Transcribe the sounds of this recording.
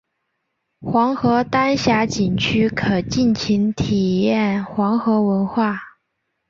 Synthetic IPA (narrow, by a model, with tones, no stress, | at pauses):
xwɑ˧˥ŋxɤ˧˥t̪a˥nɕja˧˥t͡ɕi˨˩nt͡ɕʰy˥kʰɤ˨˩t͡ɕi˥˩nt͡ɕʰi˧˥nt̪ʰi˨˩jɛ˥˩nxwɑ˧˥ŋxɤ˧˥wə˧˥nxwa˥˩